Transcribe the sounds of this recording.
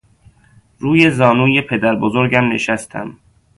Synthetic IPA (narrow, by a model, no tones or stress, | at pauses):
ɾuːje̞zɒːnuːjepʰe̞d̪æɾbozoɾɟæmneʃæst̪ʰæ̰m